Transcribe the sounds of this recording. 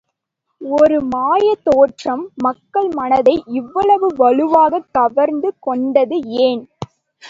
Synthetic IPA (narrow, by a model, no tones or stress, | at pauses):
ɔɾɯmaːjɐt̪oːʈrɐmːɐkːɐɭmɐnɐðɐɪʔɪʋːɐɭɐʋɯʋɐɭɯʋaːɣɐt̪ːɐʋɐɾnd̪ɯkɔɳɖɐðɯeːn